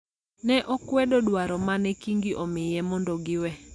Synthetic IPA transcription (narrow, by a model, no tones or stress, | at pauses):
nɛʔɔkwɛdɔdwaɾɔmanɛkiŋɡiʔɔmɪjɛmɔndɔɡɪwɛ